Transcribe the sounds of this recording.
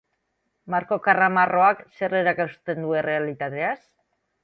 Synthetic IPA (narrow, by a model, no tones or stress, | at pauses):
maɾko̞karamaro̞akse̞reɾakast̪e̞nd̪ue̞re̞alit̪at̪e̞as